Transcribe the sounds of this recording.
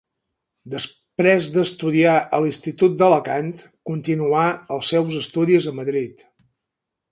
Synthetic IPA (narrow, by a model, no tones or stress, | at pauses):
d̪əs | pɾezd̪əst̪uðiaʔəlinst̪it̪ut̪̚d̪ələkant̪ | kunt̪inuaəlˠsɛwzəst̪uðizəməðɾit̪